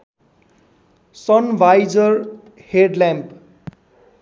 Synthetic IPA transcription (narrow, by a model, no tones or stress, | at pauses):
sʌnʋajd͡zʌr | heɖlãmp